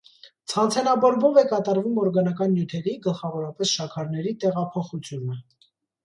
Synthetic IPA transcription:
t͡sʰɑnt͡sʰɛnɑbɔɾbɔvɛkɑt̪ɑɾvumɔɾɡɑnɑk̬ɑnːjut̪ʰɛɾiɡəlχɑvɔɾɑpɛsʃɑkʰɑɾnɛɾit̪ɛʁɑpʰɔχut͡sʰjunə

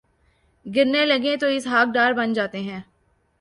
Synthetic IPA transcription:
ɡɪɾnelɐɡẽt̪oɪsɦaːk̚ɖaːɾbənd͡ʒaːt̪eɦɛ̃ː

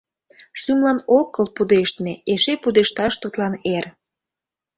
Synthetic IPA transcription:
ʃymlɑnokːəlpud̪eʃt̪meeʃepud̪eʃt̪ɑʃt̪ut̪lɑner

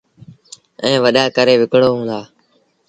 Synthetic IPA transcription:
ɛ̃ːʋəɗaːkəɾeːʋɪkɽoːɦũːnd̪aː

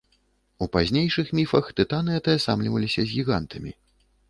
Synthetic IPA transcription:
upazʲnʲejʂɨxmʲifɐxt̪ɨt̪anɨɛt̪ɐɐsamlʲivɐlʲisʲɐzʲɣʲiɣa̰nt̪ɐmʲḭ

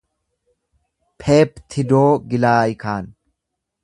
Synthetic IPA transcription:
pʰeːpt̪ʰɪd̪oːɡɪlaːjɪkʰaːn

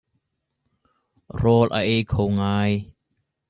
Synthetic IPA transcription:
rɔlʔa̰ʔejkʰowŋaːj

